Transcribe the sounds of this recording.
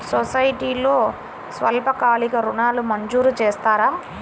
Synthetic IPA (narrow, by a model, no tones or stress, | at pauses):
sɔsɐjʈiːloː | sʋɐ̰lpɐkaːlikɐɾuɳaːlumɐɲd͡ʒuːɾut͡ʃeːst̪aːɾaː